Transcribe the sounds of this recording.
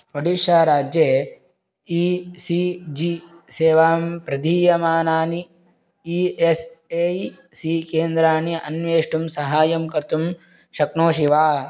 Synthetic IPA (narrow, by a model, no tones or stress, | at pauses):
pɐɖiʃjaːɾaːd͡ʒjeː | iːsid͡ʒiseːʋaːmpɾɐd̪ʱiːjɐmaːnaːni | iese | sikeːnd̪ɾaːniɐ̰nʋeːʂʈumsɐɦaːjɐmkɐɾt̪um | ʃɐknoːʃiʋaː